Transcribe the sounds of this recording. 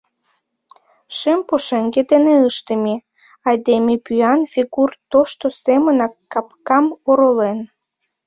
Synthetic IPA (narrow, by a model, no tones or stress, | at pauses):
ʃempoʃeŋɡed̪eneəʃt̪əmi | ɑjd̪emepyɑnfʲiɡurt̪oʃt̪osemənɑkːɑpkɑmoɾolen